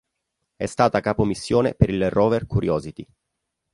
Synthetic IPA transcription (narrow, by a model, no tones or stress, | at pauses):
ɛst̪aːt̪akaːpomisːjoːnḛpeɾilrɔːverkuɾjɔːzit̪i